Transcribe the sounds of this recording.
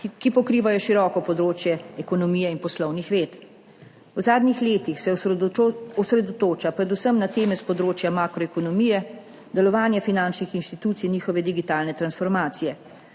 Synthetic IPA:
kipɔkɾiːʋajɔʃiɾɔːkɔpɔd̪ɾoːt͡ʃjɛɛkɔnɔmijɛinpɔslɔwnixʋeːt̪ | wzaːd̪nixleːt̪ixsɛ | ɔsɾɛd̪ɔt̪oːt͡ʃapɾɛd̪usəmnat̪eːmɛspɔd̪ɾoːt͡ʃjamaːkɾɔɛkɔnɔmijɛ | d̪ɛlɔʋaːnjɛfinant͡ʃnixinʃt̪it̪uːt̪sijniːxɔʋɛd̪iɡit̪aːlnɛt̪ɾansfɔɾmaːt̪sijɛ

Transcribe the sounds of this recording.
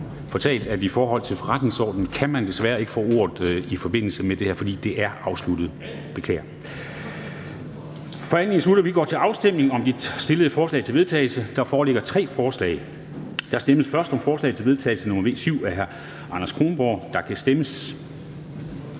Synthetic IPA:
pɒ̽t͡sʰɛ̰ːld̥æd̥ifɒːɦɒ̽l̰t͡sʰe̝lfɒʁad̥ne̝ŋsɒ̰ːd̥n̩kʰæmænd̥e̝sʋæːɐe̝ɡ̥fɔ̰ːo̝̰ɐð̩ˠifɒ̽b̥e̝n̰l̩səmed̥e̝hæɐfɒ̽d̥ḭːd̥e̝ʔæɐɑ̈ʊslud̥ð̞̩ˠ | b̥e̝kʰlɛ̰ːɐ | fɒ̽æn̰eŋsluɾ̥ɐʋiɡ̥ɒ̰ːt͡sʰe̝lɑ̈ʊsd̥em̰ne̝ŋɒ̽md̥i̥sd̥e̝ləð̞̩ˠəfɒːslɛ̰ɪt͡sʰe̝lʋe̝ðˠt͡sʰɛ̰ːlsəd̥ɑ̈fɒːleɡ̥ɐt͡sʰʁɛ̰ːfɒːslɛ̰ːɪ | d̥ɑsd̥eməsfɶɐsd̥ɒ̽mfɒːslɛ̰ɪt͡sʰe̝lʋe̝ð̞ˠt͡sʰɛ̰ːlsənɔmɐʋe̝̰ːsyʊ̰æɦæɐ | ɑ̈nɐskʰʁo̝ːnb̥ɒ̰ːd̥ɑ̈kʰæsd̥eməs

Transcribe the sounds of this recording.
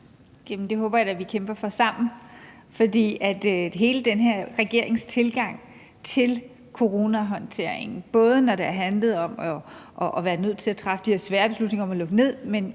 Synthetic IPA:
jemn̩d̥e̝ɦɔːb̥ɐjɑd̥æʋikʰemb̥ɐfɒ̽sɑ̈m̰n̩ | fɒ̽d̥ḭːæd̥ɦe̝ːləd̥enɦeɐ̰ʁɛɡ̥e̝ɐ̰e̝ŋst͡sʰe̝lɡ̥ɑ̈ŋ̰ | t͡sʰe̝l | kʰo̝ʁo̝ːnæɦɒ̽nt͡sʰe̝ɐ̰e̝ŋn̩b̥ɔ̽ːð̞ˠənɒɾeæɐɦænləð̞̩ˠɒ̽mɒʔɒʔʋæːɐnøð̰ˠt͡sʰe̝æt͡sʰʁɑ̈fd̥iheɐsʋæːɐb̥e̝slud̥ne̝ŋɐɒ̽mælɔ̽ɡ̥əne̝ð̞̰ˠmen

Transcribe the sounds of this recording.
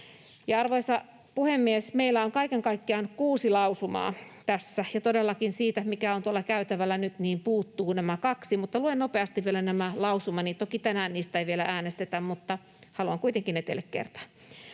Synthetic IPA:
jɑɑrʋoisɑ | puhemːiesmeilːˑæoŋkɑikeŋkɑikːiɑnkuːsilɑusumɑ̰ːt̪æsːæjɑt̪odelːɑkinsiːt̪æmikæont̪uɑlːˑɑkæyt̪æʋælːˑænyt̪niːmpuːt̪ːuːnæmækɑksimut̪ːɑluennopeɑst̪iʋʋielænæmælɑusumɑniːt̪okit̪ænæːnniːst̪æiʋielæʔæːnest̪et̪æmmut̪ːɑ | hɑluɑŋkuit̪eŋkinet̪ḛlːekkḛrt̪ɑ̥n

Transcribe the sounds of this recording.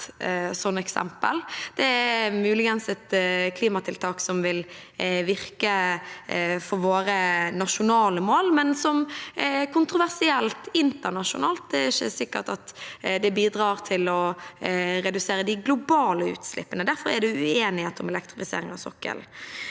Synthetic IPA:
sɔnːɛksɛ̰mpəld̪̥ɛæmʉːlɪɡənsɛt̪kʰliːmɑt̪ʰɪlt̪ʰɑːksɔmʋɪl | ʋɪɾkə | fɔɾʋoːɾənɑʃʊnɑːləmoːlmɛnsɔmkʰʊnt̪ɾʊʋæʁsɪɛlt̪ɪnt̪əʁnɑʂʊ̰nɑ̰ːlt̪̚d̪ɛæɾɪçːə̰sɪkːə̰ʈ̪ɑt̪d̪ɛbiːd̪ɾɑːɾt̪ʰɪlɔ | ɾɛd̪ʉseːɾəd̪ɪɡlʊbɑːləʉ̰ːt̪slɪ̰pːənəd̪æɾfɔɾɛæd̪ɛʉeːnɪheːt̪ɔmɛlɛkt̪ɾɪfɪsḛːɾɪŋɑ̰sɔ̰kːə̰l

